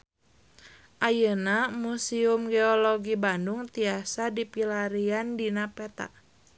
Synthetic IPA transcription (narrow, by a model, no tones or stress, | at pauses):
ʔajənamusiumɡeɔloɡibandʊŋt̪iasadipilaɾiandinapɛt̪a̰ʔ